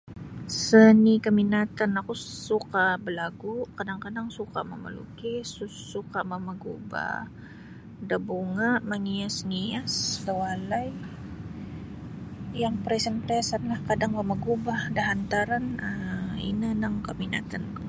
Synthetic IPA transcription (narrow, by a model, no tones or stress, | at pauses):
sənikaminat̪anakusukabəlaɡukadaŋkadaŋsuka̰mə̰mə̰lṵkɪsuːukaməməɡṵba̰ | dabuŋaʔmaŋiasniasdəwalaj | jaŋpɾɛsənpɾɛsat̪lahkadaŋməmaɡubahdaɦant̪aɾanəḭnənəŋkamina̰t̪anku